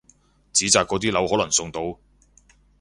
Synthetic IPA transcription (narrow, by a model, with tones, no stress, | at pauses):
t͡siː˨˥t͡saː˨˧kːɔː˨˧t̪iː˥lɐ˨˥whɔː˨˥lɐ˨˩ŋsʊ˧ŋt̪o˧w